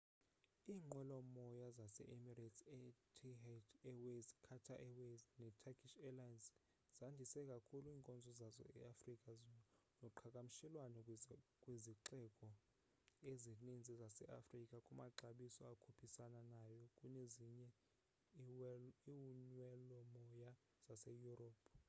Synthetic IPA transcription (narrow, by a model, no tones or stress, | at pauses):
iːŋ͡ǃwɛlɔmɔjazasɛ̰ʔimiratsɛtʰitɛwezkʰatʰaʔɛweznɛtʰakʰʼiʃɛlajans | z̥andʱisɛkʼakʰuluiːŋkʼɔnd͡zʱɔzazɔ̰ɛ̰afrikʼaz | nɔǃʰakʼam̩ʃɛlwanɛkʼweziǃɛkʼɔ | ezinind͡zʱizasɛ̰ʔa̰frikʼakʼumaǁaɓisɔakʰupʰisananajɔkʼuneziɲɛ | iwunwɛlɔmɔja | z̥asɛjuroːpʼʰ